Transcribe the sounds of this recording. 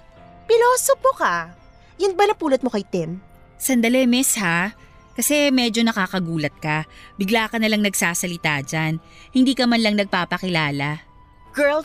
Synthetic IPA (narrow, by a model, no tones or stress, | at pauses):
pɪloːsopoka | jʊnbɐlɐŋpuːlot̪̚mokɐjt̪ɪm | sɐnd̪ɐlɛmɛsha | kɐsɛmɛːd͡ʒo̞nɐkaːkɐɡuːlɐt̪̚kɐbɪɡlaːkɐnɐlɐŋnɐɡsaːsɐlɪt̪aːd͡ʒan | hɪnd̪iːkɐmɐnlɐŋnɐɡ̚paːpɐkɪlaːlɐ | ɡ̥ɛl